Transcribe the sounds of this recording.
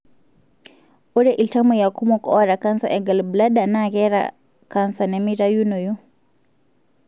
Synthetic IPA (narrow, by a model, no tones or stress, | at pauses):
uɾɛʔiltamujakumɔkɔɔɾakansaʔɛɡalblaɗanaɣɛɾa̰ | kansanɛmiɾajunɔju